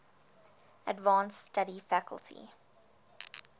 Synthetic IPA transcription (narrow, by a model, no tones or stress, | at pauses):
ədvɑ̃ːnstaɾifækə̰lˠtʰḭ